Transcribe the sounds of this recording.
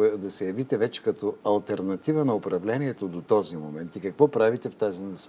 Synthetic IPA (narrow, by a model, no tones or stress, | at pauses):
d̪ɐsɛjɐvit̪ɛvɛt͡ʃɛ̥kɐt̪ɔɐlˠt̪ɛɾnɐt̪ivənɐʊpɾɐvlɛniɛt̪od̪ot̪ɔzimomɛnt̪ikɐkvɔpɾavit̪ɛft̪azinɐs